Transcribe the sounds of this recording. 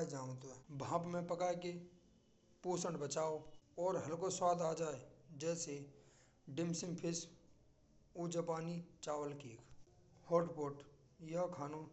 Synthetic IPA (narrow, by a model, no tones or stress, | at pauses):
d͡ʒaːt̪obʱãːpmẽpəkaːeke | puːsəɳɖbət͡ʃaːoɔːɾɦəlkoswaːd̪aːd͡ʒaːed͡ʒɛːse | ɖɪmsɪ̃mpʰɪs | ud͡ʒəpaːnit͡ʃaːʋəlkiːkʰ | hoːʈpoːʈ | jakʰaːno